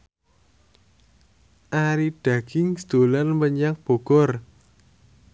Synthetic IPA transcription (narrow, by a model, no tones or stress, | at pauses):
ʔaɾid̥ä̤ɡ̥ɪŋsd̪̥olanməɲaŋ̚b̥o̤ɡ̥ɔr